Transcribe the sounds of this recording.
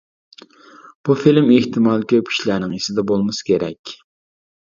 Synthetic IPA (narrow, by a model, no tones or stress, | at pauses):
b̥ufilmeht̪ʰɨmɑːlˠkʲʰøp̚kʲʰi̥ʃlænɪŋisɪd̪ɛbolˠmɨsɨ̥kʲeɾɛ̰kʲ